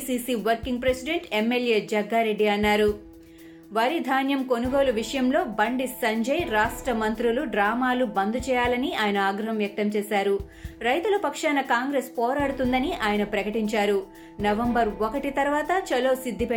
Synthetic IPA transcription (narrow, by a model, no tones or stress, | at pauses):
siːsiʋɐɾkiŋɡ̚pɾesiɖe̞ɳʈemːeljeːd͡ʒɐɡːaːɾe̞ɖːiɐnːaːɾu | ʋɐɾid̪ʱaːnjɐmko̞nuɡo̞ːluʋiʂɐjɐmlo̞ːbɐɳɖisɐɲd͡ʒɐjɾaːʂʈɾɐmɐnt̪ɾuluɖɾaːmaːlubɐnd̪ut͡ʃɛːjaːlɐniaːjɐnɐaːɡɾɐɦɐmʋjɐk̚t̪ɐmt͡ʃɛːsaːɾu | ɾɐjt̪ulɐpɐkʂaːnɐkaːŋɡɾeːspɔːɾaːɽut̪und̪ɐniʔaːjɐnɐpɾɐkɐʈiɲt͡ʃaːɾu | nɐʋɐmbɐɾokɐʈit̪ɐɾʋaːt̪ɐt͡ʃɐloːsid̪ʱːipe